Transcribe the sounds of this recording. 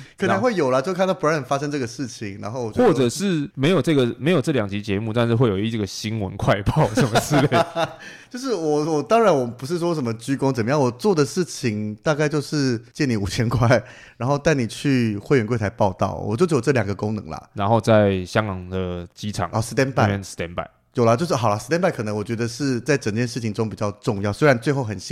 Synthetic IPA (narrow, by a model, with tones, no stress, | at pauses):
kkʰə˨˩nʰ˧˥xwe˥˩ɪjo˨˩ʊlɐ˨˦t͡ɕjo˥˧ʊkʰa˥˧nt̪ɑ˥˩pʰnə˨˩fa˥ʂɤ˥ŋʈ͡ʂɤ˥˩ɡə˩ʂɻ̩˥˩t͡ɕʰi˨˩ŋɻa˧˥nxo˥˧ʊwɔ˨˩t͡ɕjwɔ˥˨ʈ͡ʂə˨˩ʂɻ̩˥˩me˧˥ɪjo˨ʊʈ͡ʂɤ˥˩ɡə˩me˧ɪjʊʈ͡ʂɤ˥˩ljɑ˨˩ŋt͡ɕi˧˥t͡ɕjɛ˧˦mu˥˧t̪a˥˧nʂɻ̩˥˧we˥˩ɪjʊ˦i˧˩ɡə˩ɕi˦nwə˧˦nkʰwa˥˧ɪpɑ˥˩ʊʂə˨˩nmə˧˦ʂ̩˥˩˧le˥˩t͡ɕjo˥˧ʊʂ̬ɻ̩˥˩wɔ˨˩wɔ˨˩t̪ɑ˥ŋɻa˧˥nwɔ˨˩pu˧˥ʂ̬ɻ̩˥˩ʂwɔ˥ʂə˨˩nmə˦t͡ɕy˥kʊ˥ŋt͡sə˨˩mə˦jɑ˥˩ŋwɔ˨˩t͡swɔ˥˩d̪ə˩ʂɻ̩˥˩t͡ɕʰi˩ŋt̪a˥˧ka˥˧ɪt͡ɕjo˥˧ʊʂɻ̩˥˧t͡ɕjɛ˥˩ni˧˥u˨˩t͡ɕʰjɛ˥nkʰwa˥˩ɪ | ɻa˧˥nxo˥˧t̪a˥˩ɪni˨˩t͡ɕʰy˥˧xwe˥˩ɪɥɛ˧˥nkwɪt̪ʰa˧˥ɪpɑ˥˧ʊt̪ɑ̰˥˩ʊwʔɔ̰˨˩t͡ɕjo˥˧ʊʂjo˨˩ʈ͡ʂɤ˥˩ljɑ˨˩ŋɡə˩˦kʊ˥ŋnɤ̰˧˦ŋlɐ̰˨ɻa˧˦nxo˥˧ʊt͡sa˥˩ɪɕjɑ˥ŋkɑ˨˩ŋd̪ə˩t͡ɕi˦˥ʈ͡ʂʰɑ̰˨˩˦ŋɔ˥˧˩ʂ̩˧t̪jɛ˥npa˥˩ɪɛ˥˨n˩ʂ̩˧t̪jɛ˧˥npa̰˥˩ɪ | jo˨˩lə˦t͡ɕjo˥˧ʊʂ̬ɻ̩˥˩xɑ˨˩ʊlɐ˦ʂɻ̩˧t̪jɛ˥npa˥˩ɪkʰɤ˨˩nə˧˥ŋwɔ˨˩t͡ɕɥɛ˧˥d̪ə˧ʂɻ̩˥˧t͡sa˥˩ɪʈ͡ʂə˨˩ŋt͡ɕjɛ˥˧nʂɻ̩˥˩t͡ɕʰi˨˩ŋʈ͡ʂʊ˥ŋpi˨˩t͡ɕjɑ˥˧ʊʈ͡ʂʊ˥˧ŋjɑ˥˩ʊswe˥ɪɻa˧˦nt͡swe˥˧ɪxo˥˩ʊxə˨˩nɕi˧˥